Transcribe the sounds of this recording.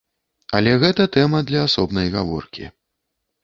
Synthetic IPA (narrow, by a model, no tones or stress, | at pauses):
ɐlʲɛɣɛt̪ɐt̪ɛmɐd̪lʲɐːsɔbnɐjɣa̰vɔ̰rkʲḭ